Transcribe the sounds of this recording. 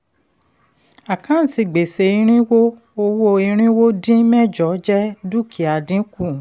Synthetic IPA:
a˨kã˨˦n̩˨ti˧˨ɡ͡be˨se˧i˧˦ɾ̃ĩ˦wo˦ | o˧wo˦i˧ɾ̃ĩ˦wo˦dĩ˦mɛ̃˦˨d͡ʒɔ˨˦d͡ʒɛ˦du˦kʰi˨a˨dĩ˨˦ku˦˨

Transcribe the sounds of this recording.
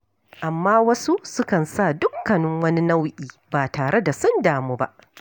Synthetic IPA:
ʔa˨mːaː˦wɐ˦su˦sʊ˦kɐ˨nsaː˦˨dʊ˦kkːɐ˨nʊ˦ŋwɐ˦ni˦na˦wʔiː˨baː˨taː˨ɽe˦da˨sʊ˦ndaː˨muː˦ba̰˦ʔ

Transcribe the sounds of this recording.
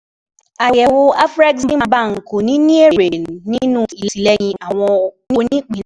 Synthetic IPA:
a˨jɛ˨wo˧a˦fɾa˦ɡsĩ˦ma˧ba˦˨ŋ̩˨ko˨nĩ˨˦nĩ˦e˦˨ɾe˨nĩ˦nũ˦˨i˨lsi˨˦lɛ˦jĩ˧˦ʔa˨w̃ɔ̃˧ni˦˧˦nĩ˦k͡pĩ˨˦

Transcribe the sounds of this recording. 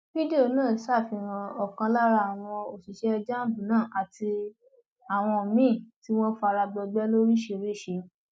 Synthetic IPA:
fi˦de˦o˧nãː˦˨˦sa˦˨fi˧ɾ̃ã˧ɔ˨kã˧la˦ɾa˧a˨w̃ɔ̃˧o˨si˨ʃɛ˦˧d͡ʒa˦˨bũ˨nãː˦˨ʔa˨ti˧ | a˨w̃ɔ̃˧˨mĩ˦˨ti˦w̃ɔ̃˦fa˧ɾa˧bɔ˧ɡ͡bɛ˦lo˦ɾi˦ʃe˧ɾe˦˨ʃe˧˦

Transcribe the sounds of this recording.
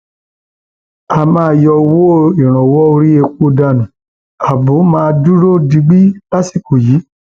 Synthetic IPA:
a˧mãː˧˦˧jɔ˧wo˦i˨ɾ̃ɔ̃˨wɔ˦o˧ɾi˦e˧ko˧da˧˨nũ˨ | a˨bõ˨˦mãː˦˧du˦ɾo˦˨di˧ɡ͡bi˦la˦si˦˨ko˨ji˨˦

